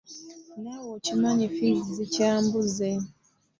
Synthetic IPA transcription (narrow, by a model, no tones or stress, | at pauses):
nawocimaɲifizizicaːmbuze